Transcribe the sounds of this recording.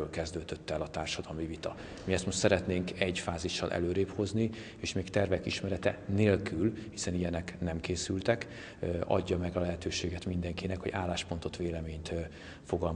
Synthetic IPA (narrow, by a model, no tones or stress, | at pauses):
ølkɛzd̪øːd̪øt̪ːɛlɒt̪aːrʃɒd̪ɒlmivit̪ɒ | miɛst̪moʃt̪sɛɾɛt̪neːŋkɛɟfaːziʃːɒ̰lʔɛ̰løːɾeːpho̞zni | eːʃmeːkt̪ɛrvɛkiʃmɛɾɛt̪ɛneːlkylhisɛnijɛnɛknɛmkeːsylt̪ɛk | ɒ̰ɟːɒmɛɡɒlɛɦɛt̪øːʃeːɡɛt̪mind̪ɛŋkinɛkho̞ɟaːlːaːʃpont̪o̞t̪ʋeːlɛmeːɲt̪ | fo̞ɡɒlm